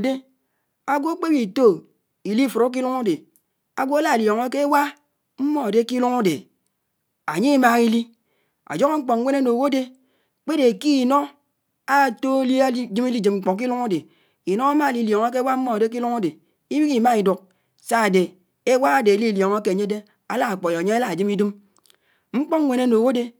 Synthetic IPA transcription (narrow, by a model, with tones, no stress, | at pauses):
de˦ | a˦ɡʷo˦k͡pe˦bi˨to˦ | i˨li˦˨fu˨ɾo˦k̬i˦lu˦ŋo˦de˨ | a˨ɡo˦a˦la˦e˨ljɔ˨ŋe˦ke˦wa˦ | m̩˦mo˦a˨de˦ki˦lu˦ŋo˦de˨ | a˨ɲi˦ma˨ŋi˦li˦ | a̰˨d͡ʒo˦ko˦ŋ͡m̩˦k͡pɔ˨ŋ˦wʷe˦na˦no˨wo˦de˦ | k͡pe˦de˨ki˦˨no˦ | a˦˨to˦le˦a˦d͡ʒi˦mi˦li˦d͡ʒi˨mŋ͡m̩˨k͡po˨ŋk̬i˦lu˦ŋa˦de˨ | i˨no˦a˦ma˦˨li˨ljo˨ŋa˦ke˦wa˦m̩˦mo˦a˨de˦k̬i˦lu˦ŋo˦de˨ | i˦bi˦ki˨ma˦i˨du˨k̚ | sa˦a˨de˨ | e˦wa˦a˦de˨li˦˨ljo˨ŋa˦ke˦˨ɲe˦de˦ | a˨la˦a˨k͡po˨jo˨ɲe˦e˦la˦˨d͡ʒi˦mi˦di˦m | ŋ͡m̩˦k͡pɔ˦ŋ˦we˦ne˦no˨wo˦de˦